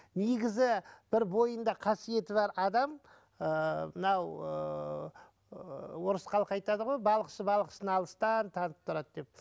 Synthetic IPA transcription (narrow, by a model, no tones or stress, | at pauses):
neɡʲɪzɪb̥ɪɾbo̞jənd̪ɑqʰɑsije̞t̪ɪβɑɾɑd̪ɑm | əmɪnɑwə | woɾəsqɑlˠəqɑjt̪ɑd̪əʁo̞jbɑlˠəqʃəbɑlˠəqə̥sənɑlˠəst̪ɑnt̪ʰɑnəp̚t̪ʰʊɾɑd̪d̪e̞p̚